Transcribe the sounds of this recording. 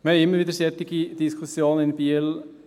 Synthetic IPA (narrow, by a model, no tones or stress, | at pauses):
meɪmːəɾʋiːd̪əɾsɛt̪ːɪɡ̥id̪̥ɪskʰʊsjoːnənɪnbiːl